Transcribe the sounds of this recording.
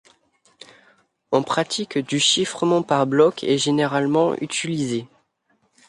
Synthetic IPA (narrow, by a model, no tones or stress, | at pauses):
ɔ̃pχat̪ikd̪yʃifχəmɑ̃paʁblɔkʰɛ̰ʒeneʁalmɑ̃ʔy̰t̪ilize